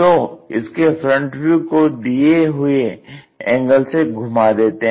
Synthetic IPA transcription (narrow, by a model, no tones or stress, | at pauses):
t̪oɪ̰skefɾə̃ɳʈɾukod̪ieɦʊe | ɛ̃ːŋɡəlseɡʱʊmad̪eːt̪eɦ